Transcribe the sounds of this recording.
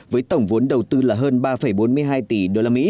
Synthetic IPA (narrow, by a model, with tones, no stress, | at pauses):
vəː˨˦jt̪ə˧˩wŋ͡mvu˨˦ənɗə˨˩wt̪ɨ˧laː˨˩ɦəː˧nɓaː˧fə˧˩jɓo˨˦nmɨ˧əjɦaː˧jt̪i˧˩ɗo˧laː˧mḭ˧˥